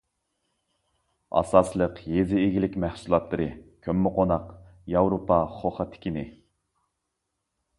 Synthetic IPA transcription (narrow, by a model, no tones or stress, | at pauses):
ɑ̰sɑslˠəqjezɪːɡʲilɪkʲmæhsulˠɑt̪lˠɨɾɨkʲʰømːɪqʰonɑqjɑwɾopʰɑχoχɑt̪ʰːɪ̥kʲinɪ